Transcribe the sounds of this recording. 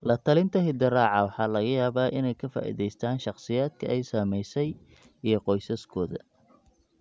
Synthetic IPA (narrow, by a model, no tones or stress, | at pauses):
lɐt̪ʰɐlɪnt̪ʰɐɦɪd̪ɐrɑːʕɑwɑħɑːlɐɣɐjaːβaːʔɪnɛjkʰɐfa̰ːʔḭðɛjst̪ʰaːnʃɑqsɪjaːd̪̚kʰɐʔɛjsaːmɛjsɛj | ijɞqɔjsɐskʰɔːðɐ̰